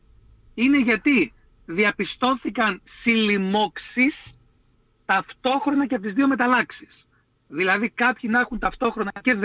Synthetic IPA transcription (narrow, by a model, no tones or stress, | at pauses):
ine̞ʝɐt̪i | ðiɐpist̪o̞θikɐnsilimo̞ksis | t̪ɐft̪o̞xɾo̞nɐceɐp̚t̪izðio̞me̞t̪ɐlɐksi̥s | ðilɐðikɐpçinɐxunt̪ɐft̪o̞xɾo̞nɐce̞